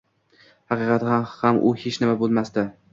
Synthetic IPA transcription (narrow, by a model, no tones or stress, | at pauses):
hɑqɨːqʰɑt̪hahamʔʊhet͡ʃnɪmabolˠmast̪ɪ